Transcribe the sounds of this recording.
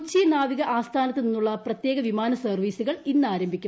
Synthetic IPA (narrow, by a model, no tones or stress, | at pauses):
t͡ɕːinaːʋiɣɐʔaːst̪ʰaːnɐt̪ːɨninːuɭːɐprɐt̪je̞ːɣɐʋimaːnɐsɐrʋiːsuɣɐɭinːaːɾɐmbʱikʲːu